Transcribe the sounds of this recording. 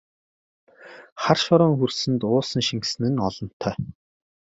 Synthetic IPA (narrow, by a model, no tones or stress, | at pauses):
χarʃɔɾɔːŋxursɘ̆nt̪ʊːsə̆nʃiŋksɘ̆nɘ̆nɔɮɞ̆n̥t̪ʰœː